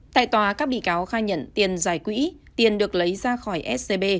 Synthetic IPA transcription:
t̪a̰ː˧˨jt̪waː˨˩kaː˦˥k̚ɓḭ˧˨kaː˨˦wxaː˧ɲə̰˧˨nt̪i˨˩ənzaː˧˩jkwḭ˧˥t̪i˨˩ənɗɨ˨˩ək̚lə˨˦jzaː˧xɔ˧˩jʔɛ˦˥t̚se˧ɓe˧

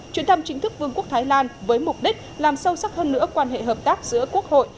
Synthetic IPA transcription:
t͡ɕwi˧˩ənt̪ʰə˧mt͡ɕï˨˦ŋ̟t̪ɨ˦˥k̚vɨ˧əŋku˦˥ək̚t̪ʰːjlaː˧nvəː˨˦jmʊ˨˩k͡p̚ɗi˦˥k̟̚laː˨˩msə˧wsa˦˥t̚həː˧nːɨ̰˧˥əkwaː˧nɦḛ˧˨ɦəː˨˩p̚t̪aː˦˥k̚z̥ɨ̰˧˥əku˦˥ək̚ho̰˧˨jʔ

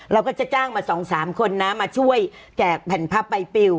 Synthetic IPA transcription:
ɾa˧wkɔː˥˩t͡ɕa˨˩t͡ɕaː˥˩ŋmaː˧sɔː˩˦ŋsaː˩˦mkʰo˧nːa˦˥maː˧t͡ɕʰu˥˩əj | t͡ɕɛː˨˩k̚pʰɛː˨˩˦npʰa˦˥pːa˧jpi˧w

